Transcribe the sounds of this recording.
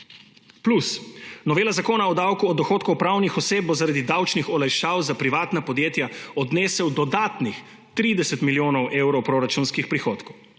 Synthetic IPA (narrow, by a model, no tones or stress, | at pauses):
plusnɔʋeːlazakoːnaɔd̪awkuɔd̪ɔxoːt̪kɔwpɾawnixɔseːp̚bɔzaɾaːd̪id̪awt͡ʃnixɔlajʃaːwzapɾiʋaːt̪napɔd̪jeːt̪jaɔd̪neːsɛwd̪ɔd̪aːt̪nix | t̪ɾiːd̪ɛsɛt̪miljoːnɔwʔeːwɾɔwpɾoːɾat͡ʃunskixpɾixoːt̪kɔw